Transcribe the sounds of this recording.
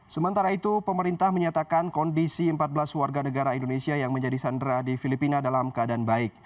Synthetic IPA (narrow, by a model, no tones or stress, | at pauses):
səmənt̪aɾait̪upəməɾint̪ahməɲat̪akankɔndisiəmpat̪̚bəlaswarɡanəɡaɾaindonesiajaŋməɲd͡ʒadisandɾadifilipinadalamkəadanbaɪk̚